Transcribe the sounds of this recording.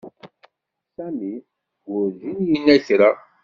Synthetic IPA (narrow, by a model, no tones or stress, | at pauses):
sæmi | ɡʊɾzinjinːæçɾa